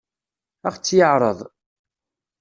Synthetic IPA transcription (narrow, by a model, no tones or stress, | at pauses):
æχt͡sːjəʕɾˤə̰ðˤ